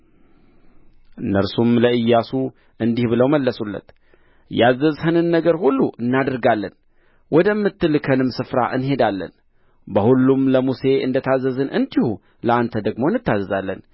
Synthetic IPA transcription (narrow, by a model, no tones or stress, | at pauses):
nəɾsumləʔɨjːasu | ʔɨnd̪ihbɨləwməlːəsulːə̰t̪ | jazːəzhɨnɨnːəɡəɾhulːuʔɨnːad̪əɾɡalːən | wɔd̪əmːɨt̪ːɨlkʰənɨmsɨfɾa̰ʔɨnɦe̞d̪alːə̰n | bəhulːumləmuse̞ʔɨ̰nd̪ət̪ʰazəzɨnʔɨnd̪ihu | ləʔant̪ʰəd̪əɡmo̞jɨnːɨt̪ːazəzalːən